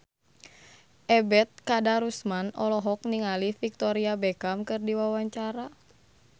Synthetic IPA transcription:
ʔɛbɛt̪̚kadaɾusmanɔlɔɦɔk̚niŋalifik̚t̪ɔɾiabɛkamkɨrdiwawaɲt͡ʃaɾa

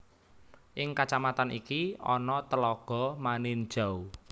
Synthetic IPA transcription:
ʔɪŋkat͡ʃamat̪anʔikiɔ̰nɔt̪əlɔɡ̥ɔ̤manɪn̥ʒ̥a̤u

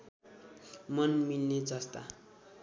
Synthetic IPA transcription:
mʌnmilned͡zʌst̪a̰

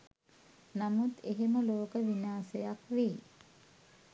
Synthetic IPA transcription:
namut̪eɦeməloːkəʋinaːsejakʋeː

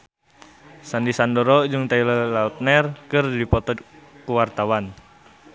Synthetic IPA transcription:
sandisandɔɾɔd͡ʒɨŋt̪ailəlaut̪̚nɛrkɨrdipɔt̪ɔkuwart̪awan

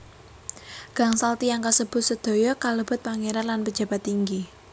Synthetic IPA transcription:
ɡ̥a̤ŋsalt̪ijaŋkasəb̥ʊ̤t̪səd̪̥o̤jɔkaləb̥ʊ̤t̪̚paŋeɾanlanpəd̥d͡ʒ̥ä̤b̥a̤t̪ːiŋɡi

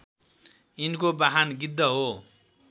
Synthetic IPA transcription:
inkobaɦanɡid̪ːʌɦo

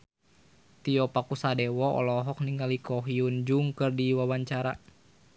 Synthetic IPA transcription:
t̪iɔpakusadɛwɔʔɔ̰lɔɦɔk̚niŋalikɔɦiund͡ʒuŋkɨrdiwawaɲt͡ʃaɾa

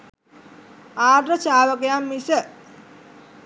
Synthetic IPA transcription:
aːdrət͡ʃaːʋəkejamːisə

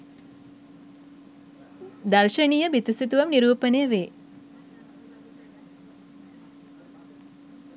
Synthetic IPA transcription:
d̪ɐɾʃɐɳijɐbjit̪isit̪uʋɐmniɾuːpɐnejɐʋeː

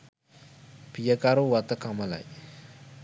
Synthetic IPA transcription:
b̥ijakaɾowat̪əkamala̰j

